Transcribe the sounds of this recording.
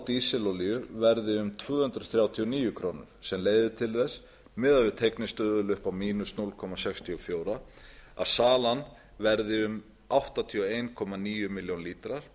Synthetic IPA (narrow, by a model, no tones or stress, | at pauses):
t̪isɪlɔlijʏvɛɾðɪʏmt̪ʰvʏːhʏnt̪ɾʏθɾjaːwt̪ʰiɔniːjʏkʰɾɔːnʏ̰ɾ̥sɛmleːjðɪt̪ʰɪlðɛs | mɪːðavɪt̪ʰejknɪst̪ʏːðʏlʏhpawmiːnʏsnulkʰɔmasɛkst̪ʰiɔfjoːwɾaa̰saːlan | vɛɾðɪʏm | awht̪at̪ʰiɔejnkʰɔːmaniːjʏmiljownliːt̪ɾaɾ̥